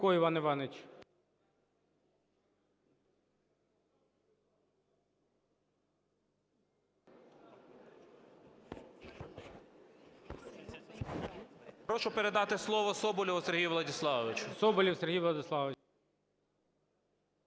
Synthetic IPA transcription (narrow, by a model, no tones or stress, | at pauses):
kɔiʋɑnɪʋɑnet͡ʃʲ | pɾɔʃʊpeɾed̪ɑt̪ɪslˠɔʋɔsɔbɔlʲiseɾɦijʋlˠɐdʲislˠɑʋɪt͡ʃʊ̥sɔbɔlʲiwseɾɦijʋlˠɐd̪ɪslˠɑʋ